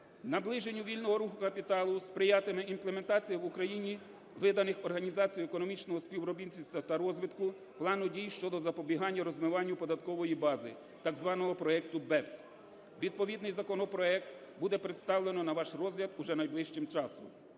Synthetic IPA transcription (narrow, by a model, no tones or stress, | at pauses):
nɐblˠɪʒenʲːuʋʲilʲnɔɦɔɾuxʊkɐpʲit̪ɑlˠʊspɾɪjɑt̪ɪmɪinplˠeme̞nt̪ɑt͡sʲijɐʋʊkɾɐjinʲi | ʋɪd̪ɐnɪxɔrɦɐnʲizɑt͡sʲijʊekɔnɔmʲit͡ʃnɔɦɔspʲiwɾɔbʲint͡sʲisʲt̪ɐt̪ɐɾɔzʋɪt̪kʊ | plˠɑnʊdʲijʃt͡ʃɔd̪ɔzɐpɔbʲiɦɑnʲːɐɾɔzmɪʋɑnʲːʊpɔd̪ɐt̪kɔʋɔjibɑzɪ̰ | t̪ɑɡzʋɑnɔɦɔpɾɔɛkt̪ʊbɛps | ʋʲid̪̚pɔʋʲid̪nɪjzɐkɔnɔpɾɔɛk̚t̪ | bud̪ɛpɾet̪st̪ɑwlˠenɔnɐʋɑʃrɔzɦlʲɐd̪uʒɛnɐjblˠɪʃt͡ʃɪmt͡ʃɑsɔ̰m